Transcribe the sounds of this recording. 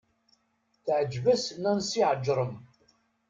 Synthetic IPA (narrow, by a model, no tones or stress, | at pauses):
θəʕəd͡ʒvəsnænsiʕəd͡ʒɾˤəm